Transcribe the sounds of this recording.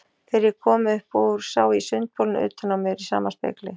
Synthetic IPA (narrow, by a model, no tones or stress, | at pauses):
θɪɾjɪkʰɔːmʏhpɔɾ̥saːwisʏnt̪̚powlnʏ̰ːt̪anawmjɛɾisa̰ːmaspɛ̰ːklɪ